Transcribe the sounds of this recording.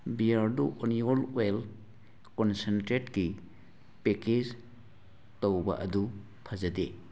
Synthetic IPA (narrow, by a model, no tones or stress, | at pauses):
biaɾduʔoniolwel | kɔnsentɾetɡi | peked͡ʒ | towbɐ̰ʔɐdu | pʰɐzɐde